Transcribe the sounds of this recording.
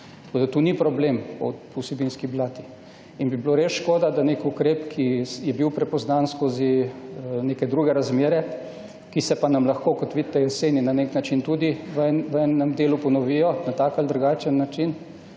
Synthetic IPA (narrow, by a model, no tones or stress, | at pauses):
t̪ɐkod̪at̪uːnipɾɔblemɔ̰pɔwsɛbinskiblaːt̪i̥ | inbibloɾesʃkoːd̪ad̪anekukɾeːpkʰijɛbiwpɾɛpɔznanskoːzi | nekɛd̪ɾuɡɛɾazmeːɾɛ | kisɛpanamlaxkoːkɔt̪ʋid̪t̪ːɛjɔseːninaneknat͡ʃint̪ud̪iʋɛʋɛnɛmd̪eːlupɔnɔʋiːjɔnat̪aːkald̪ɾuɡaːt͡ʃənːat͡ʃin